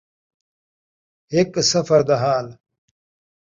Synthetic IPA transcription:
eksɐfɐɾd̪ɐɦaːl

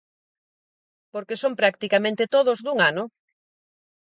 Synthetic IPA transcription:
poɾkesoŋpɾak̚t̪ikamẽnt̪et̪oð̞ozduŋano

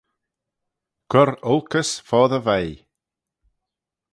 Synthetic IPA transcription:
ɡ̥ɔɾʊlˠkəsfɔːðəvaj

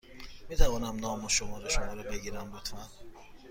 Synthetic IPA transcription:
miːt̪ʰævɒːnæmnɒːmoʃomɒːɾeʃomɒːɾɛbe̞ɡiːɾæmlut̪ʰmæn

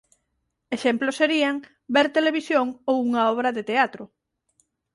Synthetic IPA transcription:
eʃemploseɾiaŋ | beɾt̪eleβ̞isjoŋowuŋɐɔβ̞ɾɐðet̪eat̪ɾʊ

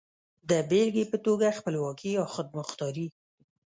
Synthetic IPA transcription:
d̪əbelɡepət̪oɡaxpəlwɑkiawxəd̪̚mʊxt̪ɑɾi

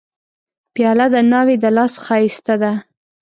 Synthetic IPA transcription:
pjɑlad̪ənɑwed̪əlɑsxɑist̪ad̪a

